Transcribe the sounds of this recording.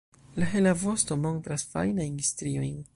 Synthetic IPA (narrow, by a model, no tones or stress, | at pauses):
laɦelavo̞sto̞mo̞ntɾasfa̰jnajnstɾio̞jn